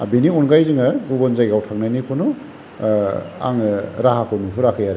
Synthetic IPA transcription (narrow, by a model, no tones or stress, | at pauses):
a̰biniɔnɡajzɯŋaɡubɔnzajɡawtʰaknajnikʰɔnu | a̰ŋɾaɦakʰɔnupʰuɾakʰɯjaɾe